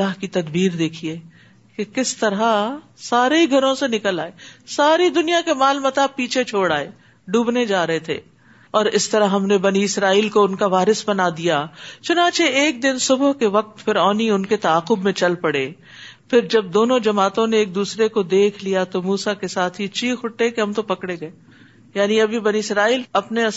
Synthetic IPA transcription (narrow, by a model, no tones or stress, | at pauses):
lːaːɦkit̪ɐd̪biːɾd̪eːkʰieː | kekɪst̪ɐɾa | saːɾeiɡʱɐɾõsenɪkəlaːeːsaːɾid̪ʊnijakemaːlmɐt̪aːbpiːt͡ʃʰet͡ʃʰoːɽaːeː | ɖuːbned͡ʒaːɾɐɦet̪ʰḛː | ɔːɾɪst̪ɐɾaɦɦɐmnebɐniɪsɾaːiːlkoʊnkaʋaːɾɪsbɐnad̪ijat͡ʃʊnãːt͡ʃeeːk̚d̪ɪnsʊbɦkeʋɐq̚t̪pʰɪɾɔːniʊnket̪ɐaːqʊbmẽt͡ʃɐlpɐɽe | pʰɪɾd͡ʒɐb̚d̪oːnõd͡ʒɐmaːt̪õneeːk̚d̪uːsɾekod̪eːkʰlijat̪omuːsakesaːt̪ʰɦit͡ʃʃʰixʊʈːekeɦɐmt̪opɐkɽeɡɐe | jaːniɐbʱibɐniɪsɾaːiːlɐpneɐ